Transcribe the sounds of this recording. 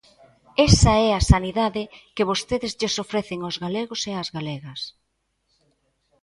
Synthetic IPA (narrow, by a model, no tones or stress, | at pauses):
esɐɛɐsaniðaðɪkɪβost̪eðɪzʎɪsofɾɛθeŋozɣaleɣoseɐzɣalɛɣɐs